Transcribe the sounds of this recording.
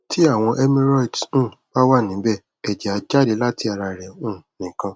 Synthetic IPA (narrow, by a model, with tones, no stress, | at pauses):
tʰi˦a˦˨w̃ɔ̃˧ʔɛ˦mĩ˦ɾɔ˦i˨dũ˦˨b̥a˦wa˦˨nĩ˨˦bɛ˦˨ | ɛ˨d͡ʒɛ˨a˧d͡ʒa˦˨de˨˧˦la˦ti˧˦a˨ɾa˧˨ɾɛ˨ũ˦˨nĩ˨kã˧